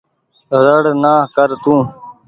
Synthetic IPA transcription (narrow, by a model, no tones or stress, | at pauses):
ɾəɽnaːkəɾt̪ũː